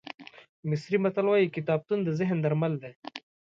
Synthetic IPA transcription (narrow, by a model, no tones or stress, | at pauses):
mɪsɾimat̪alwɑjikɪt̪ɑːb̚t̪und̪əzɪɦnd̪aɾmald̪e